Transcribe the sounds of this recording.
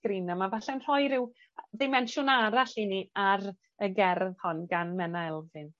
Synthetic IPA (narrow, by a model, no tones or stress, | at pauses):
ɡ̥ɾinamavaɬɛnr̥ɔjɾɪw | ðɪmɛnʃʊnaɾaɬiniaɾ | əɡɛrðhɔnɡanmɛnaɛlˠvɨn